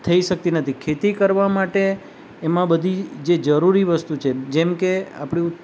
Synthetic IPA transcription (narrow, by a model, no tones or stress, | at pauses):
t̪ʰəiʃək̚t̪inət̪ʰikʰet̪ikəɾʋamaʈeː | mãbəd̪ʱid͡ʒed͡ʒəɾuɾiʋəst̪ut͡ʃʰed͡ʒɛmkea̰pɽ̃i